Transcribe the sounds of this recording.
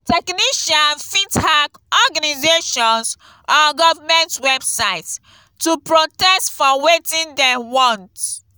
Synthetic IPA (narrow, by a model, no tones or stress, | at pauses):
tɛkniʃãnfithakɔɡanizeʃɔ̃ns | ɔɡɔvamɛ̃ntwɛbsaɪt | tupɹotɛstfɔwetĩndewɔ̃nt